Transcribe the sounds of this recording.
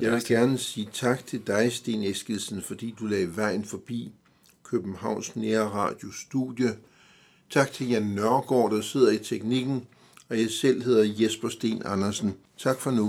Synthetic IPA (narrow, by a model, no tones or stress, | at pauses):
jɑ̈ɪʋe̝lɡ̥æɐnəsiːt͡sʰɑ̈ɡ̥̚t͡sʰe̝ld̥ɑ̈ɪsd̥e̝ːnesɡ̥əlsən̩fɒ̽d̥ḭːd̥ulɛɪɐʋɑ̈ɪ̰n̩fɒ̽b̥ḭː | kʰøb̥n̩hɑ̈ʊ̰nsneːɐʁɑ̰̈ːd̥jo̝sd̥ṵjə | t͡sʰɑ̈ɡ̥̚t͡sʰe̝ljænːɶɐɡ̥ɒ̰ːd̥ɑse̝ð̞̰ˠɐit͡sʰeɡ̥niɡ̥n̩ | ɒ̽jɑ̈ɪsel̰ɦe̝ð̞ˠɐjesb̥ɐsd̥e̝̰ːnɑ̈nɐsn̩ | t͡sʰɑ̈ɡ̥fɒ̽nu